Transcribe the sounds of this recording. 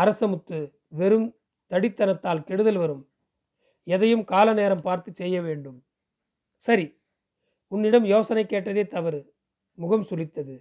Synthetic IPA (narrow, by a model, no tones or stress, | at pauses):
ɐɾɐsɐmɯt̪ːɯ | ʋɛɾɯm | t̪ɐɽɪt̪ːɐnɐt̪ːaːlkɛɽɯðɐlʋɐɾɯm | ɛðɐjɯmkaːlɐneːɾɐmpaːɾt̪ɯt͡ʃsɛjːɐʋeːɳɖɯm | sɐɾi | ʊnːɪɽɐmjoːsɐnɐɪkːeːʈːɐðeːt̪ɐʋɐɾ | mʊɣɐmsʊlɪt̪ːɐðɯ